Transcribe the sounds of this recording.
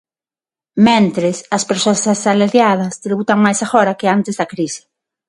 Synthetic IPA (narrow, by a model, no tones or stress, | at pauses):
mɛ̃nt̪ɾɪsɐspeɾsoɐsasalaɾjað̞ɐst̪ɾiβut̪ɐŋmajsafɔɾɐkɪant̪ɪzðɐkɾisɪ̥